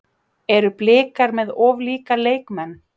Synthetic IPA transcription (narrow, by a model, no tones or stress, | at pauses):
ɛɾʏplɪːkaɾmɛðɔːvliːkaleːjkmɛnː